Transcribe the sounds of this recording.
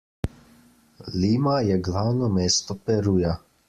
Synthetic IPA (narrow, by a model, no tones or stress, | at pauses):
liːmajɛɡlawnɔmeːst̪ɔpɛɾuːja